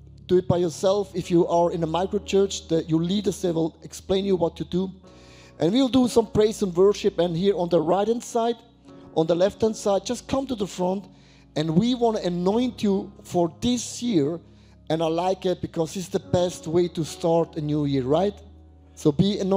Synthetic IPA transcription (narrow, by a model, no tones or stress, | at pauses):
d̥uɨt̚b̥aɪjɔ˞sɛlˠfɪfjuʔə˞ɪ̃nəmaɪkɹot͡ʃɜ˞t͡ʃðɨjulidə˞zðewɪlˠɛksplẽɪ̃njuwʌtɨdu | ʔɨ̃nwiwlˠdəsʌ̃mpʰɹ̥eɪsə̃nwɜ˞ʃɪpɨ̃nhiɹə̃nðəɹaɪɾɛ̃ndsaɪd | ʔə̃nðəlɛfthæ̃ndsaɪd̚d͡ʒʌst̚kʰʌ̃mtuðəfɹɔ̃nt | ɨ̃nwiwɑ̃nɨənɔ̃ɪ̃ntʰjufɔ˞ðɪsjɪɹ | ʔɨ̃naɪlaɪkɪt̚b̥ɨkʰɔzðɪsðəbɛst̚weɪtustʰɑɹtɨnjujɪɹɹaɪt | soʊbiɨn